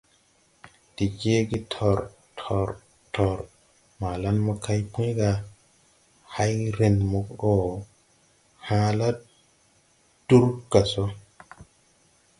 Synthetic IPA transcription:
di˨d͡ʒe˦ɡi˦tʰɔ˨ɾ | tʰɔ˨ɾ | tʰɔ˨ɾ | ma˨la˦nmɔ˦kʰa˦jpʰũ˦jɡa˨ | ha˦jɾe˨nmɔ˨kɗɔ˦˨ | hã˦la˦ | d̥u˦ɾɡa˨sɔ˦

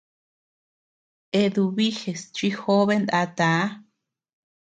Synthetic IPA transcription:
e˧ðu˧βi˦xe˨st͡ʃʷi˦xo˦βe˦nd̪a˧t̪a˨˦

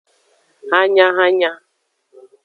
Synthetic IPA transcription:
ha˦ɲa˦ɦa˦ɲa˦

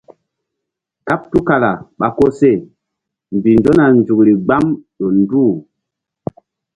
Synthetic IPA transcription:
ka˦p̚tu˦ka˨la˨ɓa˨ko˦se˦˨ | m˨bi˨nd͡ʒo˦na˨nd͡ʒu˨kɾi˨ɡ͡ba˦mɗo˨nduː˦˨

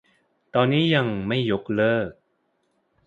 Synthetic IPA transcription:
t̪ɔː˧nːiː˦˥ja˧ŋma˥˩jːo˦˥k̚lɤː˥˩k̚

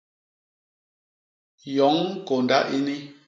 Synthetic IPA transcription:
jɔ˨˦ŋ˦ko˨nda̰˦ʔi˦ni˦

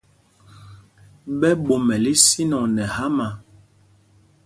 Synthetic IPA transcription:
ɓɛ˦ɓo˨mɛ˨li˦si˦nɔ˨nɛ˨ha˦ma˨

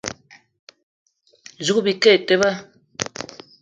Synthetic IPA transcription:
zu˨kbi˨kɛ˦˨te˦ba˦

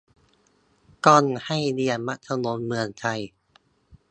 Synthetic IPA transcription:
kɔ˧˩nha˥˩jdi˧ənma˦˥ʔ̚t̪ʰa˧˩no˧˦˥nmɯ˧əŋt͡ɕʰa˧˩j

